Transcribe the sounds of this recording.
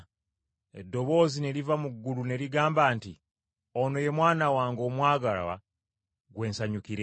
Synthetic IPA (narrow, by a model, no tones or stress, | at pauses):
edːo̞βo̞ːzine̞ɾivamuɡːulune̞ɾiɡaːmbaːnti | ono̞je̞mwaːnawaːŋɡo̞ːmwaːɡala̰wa̰ | ɡwe̞ːnsaɲukiɾe